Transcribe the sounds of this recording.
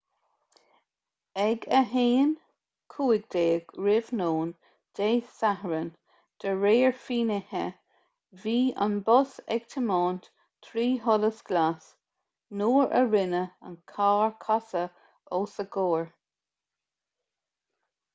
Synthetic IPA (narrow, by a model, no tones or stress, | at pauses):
ɛɡəɦeːn | kʰuːɪɡ̚d̪eːɡ̥ɹɪvnoːn | d̪̥eːsahəɹən | d̪̥əɹeːəɹfiːnɪhə̰ | viːa̰nbɔsɛ̰ɡ̥t̪ʰəmɑːnt | t̪ʰɾiːɦɔləsɡ̥las | noːɹə̰ɹɪnəə̰nkʰaːɹkʰasə | oːsəɡoːɹ